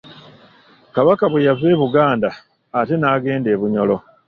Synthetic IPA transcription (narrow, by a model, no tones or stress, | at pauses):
kaβakaβwejave̞ːβuɡaːndaː | te̞naːɡe̞ːnde̞ːβuɲo̞lo̞